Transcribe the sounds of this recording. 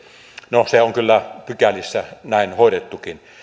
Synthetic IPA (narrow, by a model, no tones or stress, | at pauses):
noseoŋkylːæpykælisːænæˑinhoˑedet̪ːukin